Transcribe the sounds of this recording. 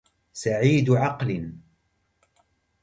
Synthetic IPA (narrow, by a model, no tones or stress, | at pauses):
saʕiːd̪ʕɑql